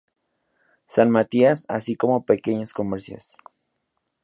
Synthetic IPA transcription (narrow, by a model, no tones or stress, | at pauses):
sanmat̪iasa̰siko̞mo̞peke̞ɲasko̞meɾsja̰s